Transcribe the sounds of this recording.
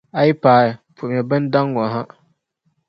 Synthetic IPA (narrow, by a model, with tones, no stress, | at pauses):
a˦ji˦paː˨ɾpʰʊ˨m˨ɛ˨bɨ˦nda˦ŋːɔ˨ɦa˦